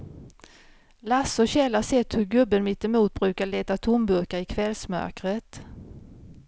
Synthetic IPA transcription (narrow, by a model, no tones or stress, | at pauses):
lasʊɕɛlːasɛt̪ːhɵɾɡɵbːənmɪt̪ːɛmuːt̪̚bɾʉ̟ːkaɭeːt̪at̪ʰʊmbɵɾkaɪkʰvɛlsmœ̰ɾkɾət̪